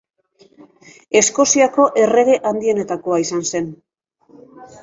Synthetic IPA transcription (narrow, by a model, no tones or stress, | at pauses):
e̞sko̞siako̞ʔe̞re̞ɣe̞ʔand̪ie̞ne̞t̪ako̞aisanse̞n